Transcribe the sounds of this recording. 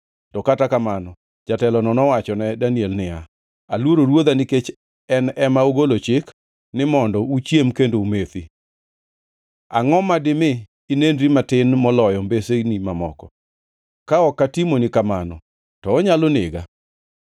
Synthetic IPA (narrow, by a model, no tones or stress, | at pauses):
tɔkatakamanɔ | d͡ʒatɛlɔnɔnɔwat͡ʃɔnɛdaniɛlnɪa | alwoɾoɾwod̪anɪket͡ʃ | ɛnɛmaoɡolot͡ʃɪk | nɪmɔndɔut͡ʃjemkendoumet̪i | a̰ŋɔmadɪmɪ | inendɾimatɪnmɔlɔjɔmbesenimamɔkɔ | kaɔkːatimonɪkamanɔ | tɔːɲalonɪɡa̰